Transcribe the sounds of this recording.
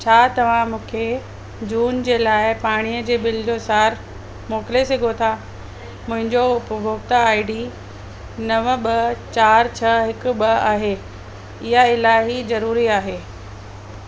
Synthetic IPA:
t͡ɕʰaːt̪ɐʋ̤ãmũːkʰe | d͡ʑuːnd͡ʑeːlaːɪpaːɽ̃ijəd͡ʑeːbɪlɪd͡ʑosaːɾ | moːkɪlesɐɡʱot̪ʰa | mʊ̃ɦɪ̃ɲd͡ʑoʊpbʱoːɡt̪əaːɪɖi | nɐʋəɓɐt͡ɕaːɾt͡ɕʰɐɦɪkʊ̆ɓɐa̰ːɦeː | ɪɦaɪlaːɪɦizɐɾuːɾiaːɦeː

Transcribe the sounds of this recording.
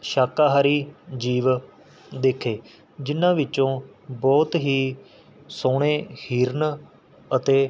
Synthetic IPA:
ʃaːkaːɦaːɾiːd͡ʒiːʋ | d̪eːkʰːeː | d͡ʒɪnːãːʋɪt͡ʃːõː | bɔːt̪ɦiː | soːɳeːhiːɾn | ət̪eː

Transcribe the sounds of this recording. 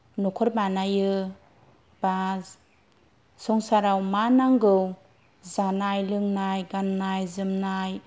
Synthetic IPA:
nukʰɔɾbanajɯ | ba | sɔŋsaɾawmanaŋɡɯw | zanajlɯŋnajɡannajzɯmnaj

